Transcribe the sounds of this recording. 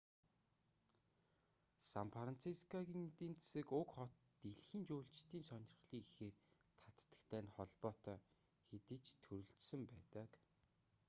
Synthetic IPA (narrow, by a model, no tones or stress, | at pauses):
sampʰaran̥t͡sʰiskaɣinit̪iːnt͡sesɘ̆kʊkχɔt̪ːeɮxiːnt͡ɕuːɬt͡ɕt̪iːnsɔnʲɪ̆r̆χɮiːŋixeːr | t̪ʰat̪ːə̥̆kt̪ʰæːnχɔɮpɔːt̪œː | xet̪ɘ̆t͡ɕt̪ʰɵɾɵ̆ɬt͡ɕsɘ̆mpæːt̪ə̆k